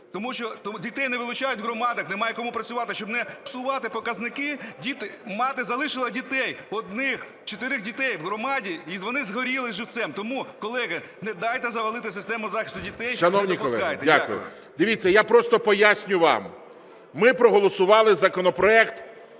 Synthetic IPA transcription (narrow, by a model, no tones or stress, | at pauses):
t̪ɔmuʃt͡ʃɔt̪dʲit̪ɛjnɛʋɪlˠʊt͡ʃajʊtʲɦrɔmɑd̪ɐxnemɑjɛkɔmupɾɐt͡sʲʊʋɑt̪ɪʃt͡ʃɔbnɛpsʊʋɑt̪ɪpɔkɐznɪkɪdʲit̪ɪmɑt̪ɪzɐlˠɪʃɪlˠɐdʲit̪ɛjɔd̪nɪx | t͡ʃɔt̪ɪɾɪxdʲit̪ɛjwɦrɔmɑdʲiizʋɔnɪzɦɔɾʲilˠɪzʒɪwt̪sɛmt̪ɔmukɔlˠɛɦɐ | nɛd̪ɑjt̪ɛzɐʋɐlˠɪt̪ɪsɪst̪ɛmʊzɑxʲɪst̪ʊdʲit̪ɛjʃɐnɔwnʲikpɔlˠɛkɑjet̪ɛdʲaakʊ̰jʊ̰ | d̪ɪʋʲit͡sʲːɐjapɾɔst̪ɔpɔjasʲnʲʊʋɑ̰mː | ɪpɾɔɦɔlˠɔsʊʋɑlˠɪzɐkɔnɔpɾɔɛkt̪